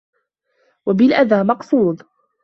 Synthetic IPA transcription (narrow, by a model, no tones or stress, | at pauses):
wabɪlʔaðaːmɑqsuːd̪ˤ